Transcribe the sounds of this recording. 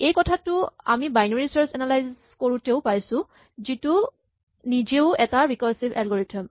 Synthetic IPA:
ejkɔtʰatʊa̰mibajnɔɹisɔɹsɛnalajz | koɹuteʊpajsʊ̃ | zitu | nizeʊɛtaɹikɔlsibɛlɡɔɹitʰɔm

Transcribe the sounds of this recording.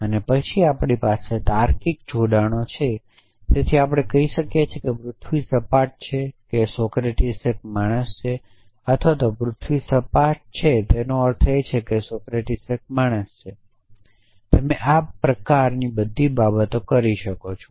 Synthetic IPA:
ənepət͡ʃʰiapɳipaset̪aɾkik̚d͡ʒoɖaɽ̃ot͡ʃʰe | t̪et̪ʰiapɽ̃ekəiʃəkjet͡ʃʰekepɾʊt̪ʰʋisəpaʈ̚t͡ʃʰekesɔkɾeʈisek̚maɽ̃əst͡ʃʰe | ət̪ʰʋat̪opɾʊt̪ʰʋisəpaʈ̚t͡ʃʰet̪enoəɾt̪ʰejt͡ʃʰekesɔkɾeʈisək̚maɽ̃əst͡ʃʰe | t̪emeʔapːɾəkaɾnibəd̪ʱːibabət̪okəɾiʃəkot͡ʃʰo

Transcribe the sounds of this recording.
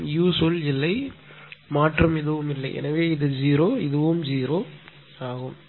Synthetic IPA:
juːsolɪlːɐɪ | maːʈrɐmɪðɯʋɯmɪlːɐɪʔɛ̰nɐʋeːɪðɯd͡ʒiːɾoːɪðɯʋɯmd͡ʒiːɾoː | aːɣɯm

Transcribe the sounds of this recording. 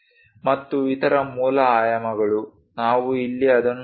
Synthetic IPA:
mɐt̪ːuit̪ɐɾɐmuːlɐaːjɐmɐɡɐɭu | naːʋuilːiɐd̪ɐnː

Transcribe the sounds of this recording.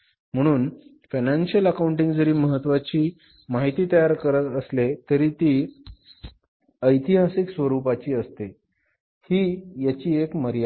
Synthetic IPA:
m̤əɽ̃uːn | fajnanɕjələkauɳʈiŋɡd͡zəɾiːməɦət̪ːʋat͡ɕiː | maɦit̪iːt̪əjaɾkəɾət̪əslet̪əɾiːt̪iː | əjt̪iɦasiksʋəɾupat͡ɕiːəst̪e | hiːjat͡ɕiːekməɾja

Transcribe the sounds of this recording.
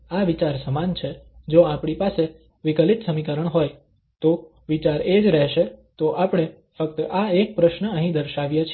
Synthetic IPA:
aʋit͡ʃaɾsəmant͡ʃʰed͡ʒoapɳipase | ʋɪkəlit̪səmikəɾəɳɦoj | t̪o | ʋit͡ʃaɾed͡ʒɾɛɦʃet̪oʔapɽ̃e | fək̚t̪aek̚pɾəʃnəə̃ɦĩd̪əɾʃaʋjet͡ʃʰ

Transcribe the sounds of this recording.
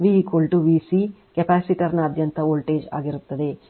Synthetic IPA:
ʋiɦikolʈuʋiːsi | kepaːsiʈɐɾnɐːd̪ʱjɐnt̪ɐoːlʈeːd͡ʒa̰ːɡiɾut̪ːɐd̪e̞

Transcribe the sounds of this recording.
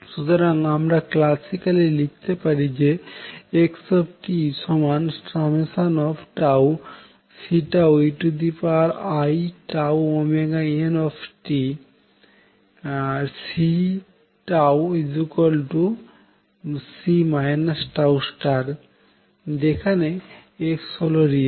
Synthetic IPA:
ʃut̪oɾaŋamɾaklasikalilik̚t̪epaɾid͡ʑeeksɔbʈisɔmansʈamesanɔpʰʈaw | siʈaweʈud̪ipaɾajʈawomeɡaenɔfʰʈi | si | ʈawid͡ʑukolʈu | simajnasʈawsʈaɾ | d͡ʑekʰane | eksɔloɾi

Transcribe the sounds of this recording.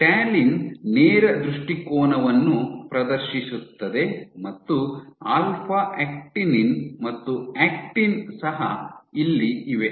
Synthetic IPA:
ʈaːlinneːɾɐd̪ɾuʂʈikoːnɐʋɐnːupɾɐd̪ɐɾʃisut̪ːɐd̪e̞mɐt̪ːuaːlpʰaeːk̚ʈininmɐt̪ːuæːk̚ʈinsɐɦɐilːiiʋe̞

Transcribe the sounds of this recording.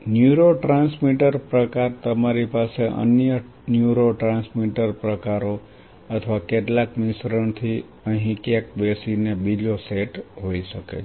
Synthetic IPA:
njuɾoʈɾãnsmiʈəɾpɾəkaɾt̪əmaɾipaseʔə̰njə | njuɾoʈɾãnsmiʈəɾpɾəkaɾo | ət̪ʰʋakeʈlakmɪsɾəɳt̪ʰi | əɦĩkjak̚besinebid͡ʒoseʈɦoiʃəkḛ

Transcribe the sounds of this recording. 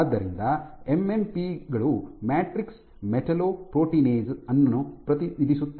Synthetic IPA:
d̪ːɐɾind̪ɐemempiɡɐɭumaːʈɾiks | meʈʰɐloːpɾoːʈiːneːzɐnːɐnːupɾɐt̪iʋid̪ʱisut̪ː

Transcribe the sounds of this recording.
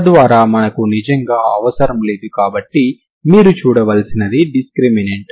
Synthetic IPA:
d̪ʋaːɾaːmɐnɐkunid͡ʒɐŋɡaːɐʋɐsɐɾɐmle̞ːd̪ukaːbɐʈːi | miːɾut͡ʃuːɽɐʋɐlsinɐd̪iɖiskɾimineːʈ

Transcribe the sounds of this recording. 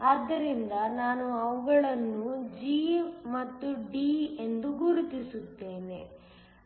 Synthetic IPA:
ɐd̪ːɐɾind̪ɐnaːnuɐʋuɡɐɭɐnːud͡ʒimɐt̪ːuɖiːend̪uɡuɾut̪isut̪ːe̞ːnḛ

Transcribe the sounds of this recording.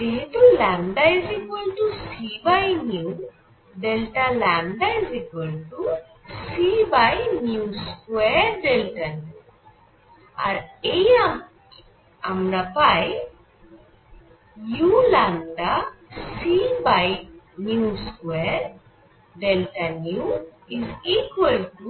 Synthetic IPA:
d̪eɦit̪ulaɳɖajzikolʈusibajnjuː | ɖelʈalaɳɖajzikolʈu | sibajnjuːskeɾɖ̪elʈɐn | a̰ɾejam | amɾapaj | julãnɖasibaj | njuskweɾ | ɖelʈanju | izikwəlʈu

